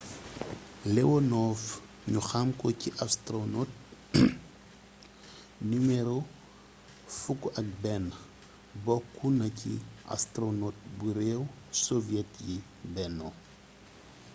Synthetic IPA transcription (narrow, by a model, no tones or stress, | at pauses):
lɛwɔnɔf | ɲuxamkɔciʔastɾonɔt̚ | nimɛɾo | fukːʔɐk̚bɛn | bɔkːunɐcḭʔa̰stɾonoːt̚buɾɛw | sɔvjɛtji | bɛno